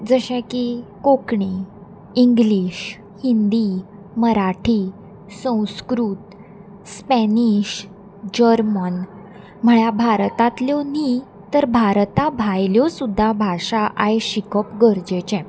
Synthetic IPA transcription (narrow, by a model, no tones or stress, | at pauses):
d͡zəɕɛ̃kikokɳi | iŋɡliɕ | hind̪i | məɾaʈʰi | sə̃w̃skɾuːt̪ | spɛniɕ | d͡ʑəɾmən | m̤əɭjabʱaɾt̪at̪ljɔni | t̪əɾbʱaɾt̪abʱajljɔsud̪ʱːabʱaʂaʔajɕikəpɡəɾd͡ʑet͡ɕɛ̃